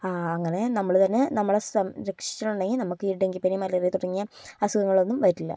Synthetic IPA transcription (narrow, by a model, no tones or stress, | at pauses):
aɐŋːɐne̞nɐmːɐɭt̪ɐnːenɐmːɐɭesɐmɾɐkʂi̥t͡ɕːɐɭuɳɖɐŋɡilnɐmukːɨiɖeŋɡipinimɐlirijɐt̪uɽɐŋːijɐɐsuɣɐŋːɐɭo̞nːumʋɐjiʈːilːɐ̰